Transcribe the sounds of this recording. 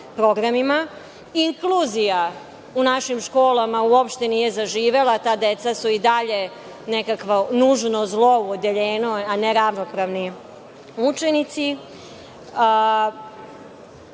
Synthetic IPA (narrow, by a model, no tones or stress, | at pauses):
pɾo̞ɡɾamima | iŋkluːzija | unaʃimʃko̞ːlˠamauopʃt̪e̞nije̞zaʒiːʋe̞lˠat̪aːd̪et̪sasuid̪aʎe̞ | nekakʋanuʒno̞zlˠo̞uod̪eʎeːnoaneɾaʋnopɾaʋni | ut͡ʂenit̪si